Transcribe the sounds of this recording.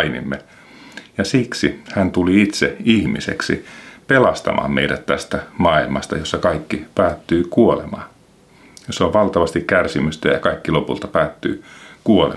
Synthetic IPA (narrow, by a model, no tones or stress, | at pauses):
inḭmːe | jɑsiksihænt̪uliit̪seihmisḛksḭpelɑst̪ɑ̰mʔɑ̰ːmmḛiɾæt̪t̪æst̪æmɑilmɑst̪ɑ̰josːɑkɑikːipæːt̪ːyːkuolemɑː | joseoʋʋɑlt̪ɑʋɑst̪ikkærsimyst̪æjɑkɑikːilopṵlt̪ɑpæːt̪ːy̰ːkuolḛ